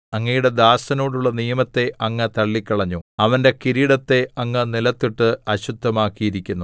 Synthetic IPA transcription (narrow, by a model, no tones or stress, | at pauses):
ɐŋːɐjuɽe̞d̪aːsɐnoːɽuɭːɐnijɐmɐt̪ːe̞ɐŋːɐt̪ɐɭːikʲːɐɭɐɲːuɐʋɐnde̞kiɾiːɽɐt̪ːe̞ɐŋːɐnilɐt̪ːiʈːɨɐɕud̪ʱːɐmaːkːijiɾikʲːunːu